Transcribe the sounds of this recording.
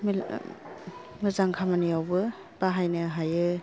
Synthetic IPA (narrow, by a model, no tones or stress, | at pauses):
m | mɯzaŋkʰamanijawbɯ | b̥aɦajnɯɦajɯ